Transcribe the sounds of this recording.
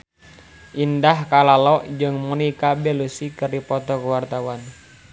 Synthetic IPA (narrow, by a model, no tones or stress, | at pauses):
ʔindahkalalɔʔd͡ʒɨŋmunikabɛlusikəripɔt̪ɔkəwart̪awan